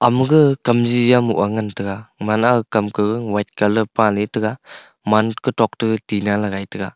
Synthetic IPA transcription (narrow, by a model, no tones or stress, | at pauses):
amɯɡɯkamzijamuʔaŋantɯɡamanakamkɯɡɯŋwajt̚kalɯpãletɯɡa | mankɯtɔk̚tɯtinalaɡajtɯɡa